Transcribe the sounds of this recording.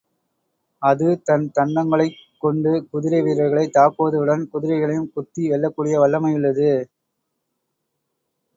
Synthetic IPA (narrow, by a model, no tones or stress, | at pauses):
ɐðɯt̪ɐnt̪ɐɳɖɐŋɡɐɭɐɪkːɔɳɖɯkʊðɪɾɐɪʋiːɾɐɾɣɐɭɐɪt̪ːaːkɯʋɐðɯɯɽɐnkʊðɪɾɐɪɣɐɭɐjɯmkʊt̪ːiʋɛɭːɐkːuːɽɪjɐʋɐɭːɐmɐɪɯɭːɐðɯ